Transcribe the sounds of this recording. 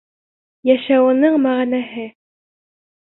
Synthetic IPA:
jæʃæwɤ̆nɤɴmæʁnæɦɘ

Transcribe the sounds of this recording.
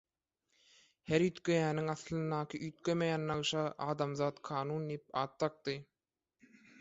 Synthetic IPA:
heɾyt̪køjæːniŋɑθlˠɯnːɑːkʰɯʔyːt̪̚kømejæːnːɑɣɯʃɑʔɑːd̪ɑmzɑːt̪kʰɑːnuːnd̪iip̚ɑːt̪ːɑk̚t̪ɯ

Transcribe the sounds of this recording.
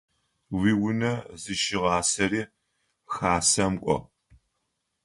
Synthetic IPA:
wiːwʊnɐzɨʃɪʁɑːsɐɾiː | xaːsɐmkʷʼɔ̰

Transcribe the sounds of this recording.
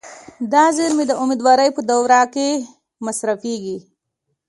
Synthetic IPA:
d̪ɑzeɾmed̪əʊmid̪wɑɾəjpəd̪awɾɑke | masɾafeɡi

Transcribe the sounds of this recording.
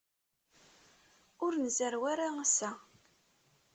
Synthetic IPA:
ʊɾnzəɾwaɾaəsæ

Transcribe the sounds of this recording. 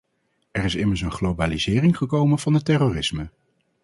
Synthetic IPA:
ɛrɪsɪməɹs̬ənχlowbaːlizɪːrɪŋχəkowmənv̥ɑnətɛroːrɪsmə

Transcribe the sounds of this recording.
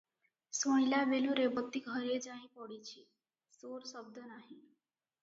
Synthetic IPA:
soɳilaʋeluɾebət̪ːikəɾed͡zaɦĩpɔɽit͡ɕʰi | soɾsəb̚d̪ʱənaɦi

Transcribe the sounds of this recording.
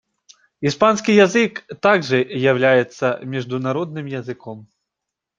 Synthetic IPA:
ispanskʲijazɨkt̪aɡʐɨjawlʲajɛt̪sːɐmʲiʐd̪unaɾɔd̪̚nɨmjɐzɨkɔm

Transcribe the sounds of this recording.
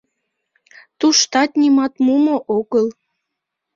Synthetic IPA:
t̪uʃt̪ɑt̪nʲimɑt̪mumoʔoɣəl

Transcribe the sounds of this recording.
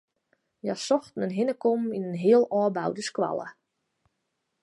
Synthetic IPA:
jasɔxtnənɦɪnəkominənɦiəlˠɔːbawdəskwa̰lˠə̰

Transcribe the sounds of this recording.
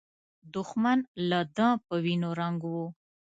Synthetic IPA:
d̪ʊxmanlad̪ãpəwinoɾaŋɡwu

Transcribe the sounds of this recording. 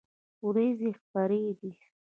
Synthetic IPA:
wɾezexpaɾed̪i

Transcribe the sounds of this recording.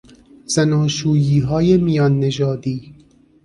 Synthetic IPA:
z̥ænɒːʃuːjiːɦɒːjemijɒːnːed͡ʒɒːd̪iː

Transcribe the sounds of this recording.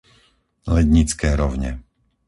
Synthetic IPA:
lɛd̪ɲit͡skɛːɾɔʊɲɛ̰

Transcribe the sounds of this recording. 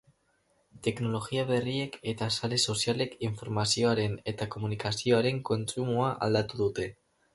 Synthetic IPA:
t̪e̞kno̞lo̞ɣiaβ̞e̞rie̞ket̪asale̞so̞sjale̞kiɱfo̞ɾmasio̞aɾe̞ne̞t̪ako̞munikasioaɾe̞ŋko̞nsumuaʔa̰ld̪at̪uðut̪e̞

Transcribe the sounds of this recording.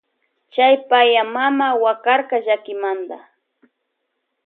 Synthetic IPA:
t͡ʃajpajamamawakaɾkaʒakɪmand̪a̰

